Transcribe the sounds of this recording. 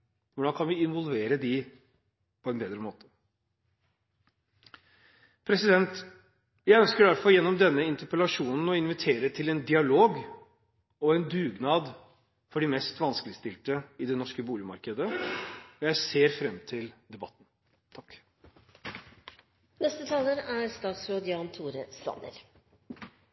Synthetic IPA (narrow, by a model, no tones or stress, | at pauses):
ʋʊɖɑnkʰɑnʋɪɪnʋɔlʋeːɾəd̪ɪ | pʰɔɛnbeːd̪ɾəmoːt̪ə̥ | pʰɾɛsɪd̪ɛnt̪ | jæɪœnskəɖæɾfɔɾjɛnːɔmd̪ɛnːəɪnt̪əpəlɑʂuːnn̩ɔɪnʋɪt̪ʰeːɾət̪ʰɪlɛnd̪ɪɑloːɡ | ɔɛnd̪ʉːɡnɑːd̪ | fɔɖɪmɛst̪ʋɑnskəlɪst̪ɪlt̪əɪd̪ɛnɔʂkəbuːlɪəmɑ̰ɾkəd̪əɔjæɪseːɾfɾɛmːt̪ʰɪld̪ɛbɑt̪ːn | t̪ʰɑkː | nɛst̪ət̪ʰɑːləɾæɾst̪ɑːt̪sɾoːd̪jɑːnt̪ʰuːɾəst̪ɑ̰nə̰ɾ